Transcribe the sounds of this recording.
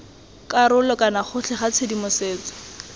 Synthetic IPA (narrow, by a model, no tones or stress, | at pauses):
kaɾʊlɔkʼanaχʊɬʰɛχat͡sʰedimʊseːt͡sɔ̥